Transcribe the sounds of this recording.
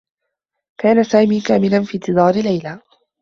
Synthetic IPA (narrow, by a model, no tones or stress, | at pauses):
kaːnasaːmiːkaːmɪlanfiːnt̪ɨd̪ˤɑːɾɪlajla